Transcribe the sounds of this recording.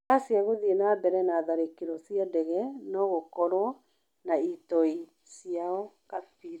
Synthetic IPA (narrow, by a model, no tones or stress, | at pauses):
asiaɣoðienabɛɾɛnaðaɾekeɾɔsiadɛɣɛnɔɣokɔɾwɔ | naitɔi | siaɔ | kafiɾa